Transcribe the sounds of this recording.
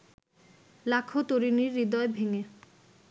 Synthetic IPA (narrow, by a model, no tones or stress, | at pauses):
lakʰot̪oɾiniɾːid̪ɔebʱeŋe